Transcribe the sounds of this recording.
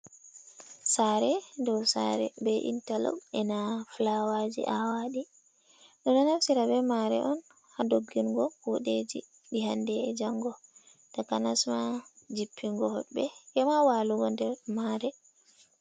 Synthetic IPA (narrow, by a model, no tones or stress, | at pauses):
saɾɛdɔwsa̰ɾɛbɛʔḭntalɔ̰wɛnaflawad͡ʒḭʔawaɗi | ɗɔnɔnafsiɾabɛmaɾɛ̰ʔɔn | hadoɡːiŋɡɔfuɗed͡ʒḭ | ɗiɦandɛd͡ʒaŋɡɔ | takanasmad͡ʒipʰːiŋɡɔhɔ̰bɛjɛmawaluɡɔndɛɾmaɾɛ